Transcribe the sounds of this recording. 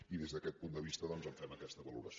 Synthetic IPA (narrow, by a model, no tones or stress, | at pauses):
iðezðəkɛt̪̚pund̪əβist̪əðɔnzəɱfɛməkɛst̪əβəlṵɾə̰s